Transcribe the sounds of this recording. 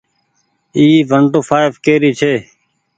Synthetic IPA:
iːʋʱəɳʈoːfʰaːɪfkeːɾiːt͡ʃʰeː

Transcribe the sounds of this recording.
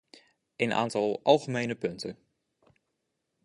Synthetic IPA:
ɪnʔa̰ːntɑlˠɑlˠχəmejnəpɵntən

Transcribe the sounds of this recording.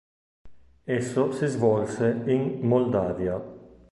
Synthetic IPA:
ɛsːosizvɔlseinmold̪aːvja

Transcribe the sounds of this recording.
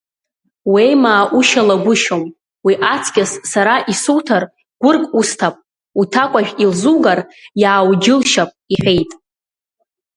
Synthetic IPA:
wejmaːʔuʃalaɡʷʊʃom | wiʔat͡sʰɡʲʼɪsːaɾaʔisutʰar | ɡ̥ʷʊrkʼustʰapʼ | utʰakʷʼaʒᶣʲilzuɡarjaːwd͡ʒɪlʃapʼiħʷᶣe̞jtʼ

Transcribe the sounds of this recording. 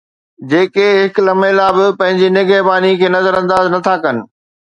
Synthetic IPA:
d͡ʑeːkeɦɪklɐmelaːbɪpɐ̃ɦɪ̃ɲd͡ʑinɪɡeɦpaːnikʰeːnɐzəɾɐ̃nd̪aːznɐt̪ʰakɐnɪ̆

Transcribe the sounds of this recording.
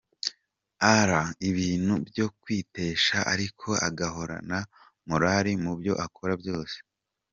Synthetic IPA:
aɾaiβiːn̥hubjo̞kwiːte̞ːʃaʔa̰ɾikʰo̞a̰ɡaɦo̞ɾa̰na | muɾaɾimubjo̞̰ʔakʰoɾabjo̞ːse̥

